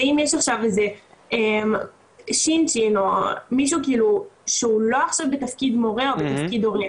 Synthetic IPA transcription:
aimjeʃaχʃavezeem | ʃint͡ʃinomiʃ̬ukiːluʃeulo̞aχʃavbet̪afkid̪mo̞ʁeobet̪afkid̪o̞ʁe

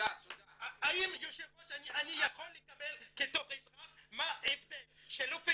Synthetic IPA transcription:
aaimjoʃevʁoʃaniʔanijaχolːekabelket̪oχizʁaχmaevd̪elʃelofe

